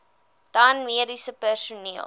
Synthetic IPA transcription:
d̥anmiəɾisəpærsuniəlˠ

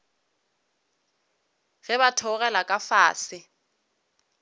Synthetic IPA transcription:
ɣɛβatʰɔɣɛlakʼafaːsɪ

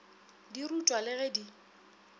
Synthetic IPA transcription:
dirutʼwalɪɣɛdi

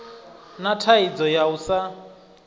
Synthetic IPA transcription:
natʰaid͡zɔjausa

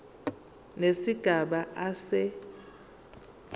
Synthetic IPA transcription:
nesiɡ̥ʱaɓaʔasɛ

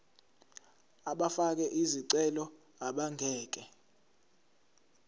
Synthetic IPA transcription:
aɓafak̬ɛʔiziǀɛlɔ | aɓaŋʱɛːk̬ʼɛ

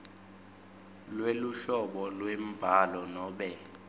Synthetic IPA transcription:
lweluʃɔɓɔlwem̩b̥ʱalɔnɔːɓɛ

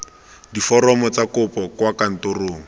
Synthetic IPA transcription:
difɔɾɔmɔt͡sakʊpɔkwakan̩tʊroːŋ̩

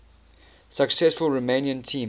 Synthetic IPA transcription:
səksɛsfəlˠɹomẽɪ̃niə̃ntʰĩːm

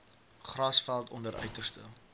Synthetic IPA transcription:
χrɐsfælˠtɔndəɾʔœ̰ɥtərstə

